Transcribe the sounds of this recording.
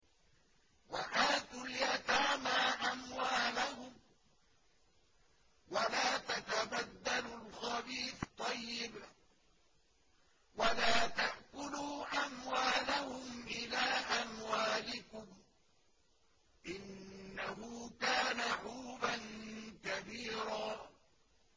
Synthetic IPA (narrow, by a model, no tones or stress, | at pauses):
waʔaːt̪ʊljat̪aːmaːʔamwaːlahʊm | walaːt̪at̪abad̪ːalʊlxɑbiːft̪ˤːɑjːɪb | walaːt̪aʔkʊluːʔamwaːlahʊmʔɪlaːʔamwaːlɪkʊm | ʔɪnːaɦʊːkaːnaħuːbankabiːɾaː